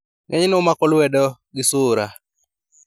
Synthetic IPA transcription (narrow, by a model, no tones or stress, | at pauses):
ŋʔɛɲnʊmakɔlwɛdɔɡɪsʊɾa